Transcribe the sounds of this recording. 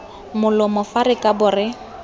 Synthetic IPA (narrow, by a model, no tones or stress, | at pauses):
mʊlʊmʊfaɾɪkʼabʊːrɪ